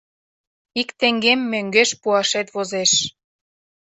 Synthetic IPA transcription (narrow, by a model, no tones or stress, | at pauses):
ikt̪eŋɡemːøŋɡeʃpuɑʃet̪βozeʃ